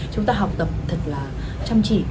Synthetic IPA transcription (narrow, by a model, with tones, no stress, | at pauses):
t͡ɕʊ˨˦ŋ͡mt̪aː˧ɦa˨˩wk͡p̚t̪ə˨˩p̚t̪ʰɨ˨˩k̚laː˨˩ | t͡ɕa˧mt͡ɕḭ˧˨